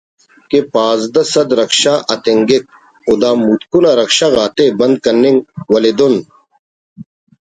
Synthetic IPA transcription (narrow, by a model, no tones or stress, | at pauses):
kepaːzd̪ɐsɐd̪ɾɐkɕaːʔɐt̪eŋɡek̚ | od̪aːmuːt̪kunaɾɐkɕaːɣaːt̪ebɐnd̪̚kɐnːiŋwɐled̪on